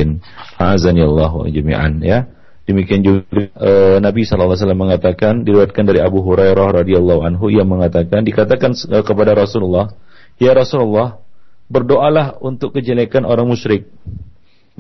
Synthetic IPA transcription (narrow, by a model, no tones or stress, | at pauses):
ɪn | hazanialːaɦṵd͡ʒamḭʔa̰nja | dəmikiand͡ʒuɡɡʔənabisɔlalːas̬alamːəŋat̪akandiliwat̪̚kandaɾiabuɦuɾajɾahɾɑdialˠːɑɦuanɦujaŋməŋat̪akandikat̪akanəkəpadaɾɔsululːɑh | jaɾɔsululːɑhbərdoʔalahunt̪ʊkːəd͡ʒalekanʔoɾaŋmuʃɾɪk̚